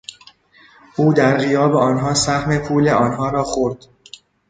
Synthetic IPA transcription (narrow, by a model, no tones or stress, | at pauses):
ʔuːd̪æɾɣijɒːbeɒːnɦɒːsæhme̞pʰuːleɒːnɦɒːɾɒːxoɾd̪̥